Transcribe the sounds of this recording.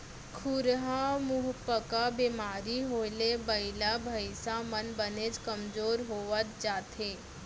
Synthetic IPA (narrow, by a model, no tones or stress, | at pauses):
kʰʊɾɦãmʊɦpəkabemaːɾiɦoːlebəɪlabʱɐɪsãmənbəned͡ʒkəmd͡ʒoːɾɦoːʋət̪̚d͡ʒaːt̪ʰɦeː